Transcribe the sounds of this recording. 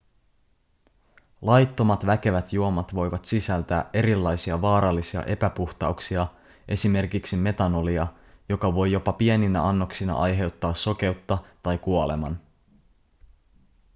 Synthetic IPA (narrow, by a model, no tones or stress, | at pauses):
lɑjt̪ːo̞mɑt̪ʋæke̞ʋæt̪juo̞mɑt̪ʋo̞jʋɑt̪sisælt̪æːʔe̞ɾilːɑjsiɑʋɑːɾɑlːisiɑ̰ʔe̞pæpuxt̪ɑuksiɑ | ʔe̞sime̞rkiksime̞t̪ɑno̞liɑ | jo̞kɑʋo̞jːo̞pɑpie̞ninæʔɑnːo̞ksinɑ̰ʔɑjɦe̞wt̪ːɑːsːo̞k̟e̞uwt̪ːɑt̪ɑjkuole̞̰mɑ̰n